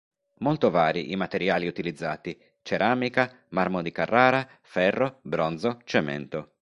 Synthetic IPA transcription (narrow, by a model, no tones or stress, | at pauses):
molt̪ovaːɾiʔimat̪eɾjaːliut̪ilid̪zːaːt̪i | t͡ʃeɾaːmika | marmod̪ikarːaːɾa | fɛrːobɾɔnd̪zot͡ʃɛmɛ̰nt̪o